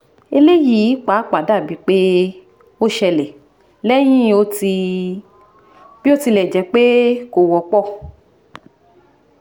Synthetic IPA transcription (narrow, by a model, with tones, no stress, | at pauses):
e˧le˦ji˨˦k͡pa˨˦k͡pa˨˦da˦˨bi˨˦k͡pe˦ | o˦ʃɛ˧lɛ˨ | lɛ˦j̃ĩ˦o˧˦ti˧ | b̥i˦o˦ti˧lɛ˨d͡ʒɛ˨˦k͡pe˦ko˨wɔ˧k͡pɔ˦˨